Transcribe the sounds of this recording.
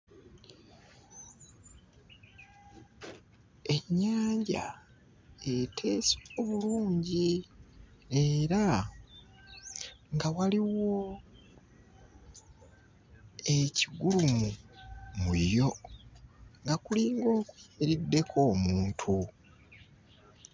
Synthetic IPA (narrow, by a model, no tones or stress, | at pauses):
e̞ɲːaːɲɟa̰ | etʰe̞ːsooβuluːɲɟi | eɾa | ŋɡawaliwo̞ | e̞ciɡulumumujo̞ | ŋɡakuliːŋɡo̞ːkwemiɾidːe̞kʰo̞ːmuːntʰu